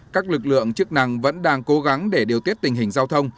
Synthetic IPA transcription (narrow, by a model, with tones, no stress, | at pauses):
kaː˦˥k̚lɨ˨˩k̚lɨ̰˧˨əŋt͡ɕɨ˦˥ək̚na˨˩ŋvə̰˧˥nɗaː˧ŋko˨˦ɣa˨˦ŋɗe˧˩ɗi˨˩əwt̪i˦˥ət̪̚i˨˩ŋɦï˨˩ŋzaː˧wt̪ʰə˧wŋ͡m